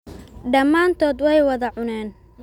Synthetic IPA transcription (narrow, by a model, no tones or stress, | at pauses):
ɖɐmːaːnt̪ʰɔːd̪wɛjwɐðɐʕʊnɛːn